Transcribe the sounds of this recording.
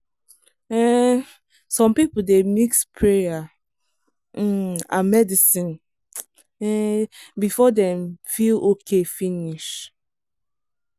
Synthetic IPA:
ɛ | sɔ̃mpip̩demikspʰɹeja | a̰mɛdisĩn | ɛbifɔdɛ̃mfilokʰefiniʃ

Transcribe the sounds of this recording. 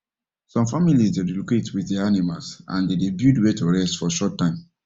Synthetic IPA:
sɔ̃mfamilisdeɹiloketwiðdɛaanimalsã̰ndedebjudwɛtoɹɛstfɔʃɔtːãɪ̃m

